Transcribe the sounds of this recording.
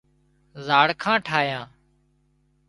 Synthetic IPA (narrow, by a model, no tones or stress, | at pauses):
zaːɽkʰãːʈʰaːjãː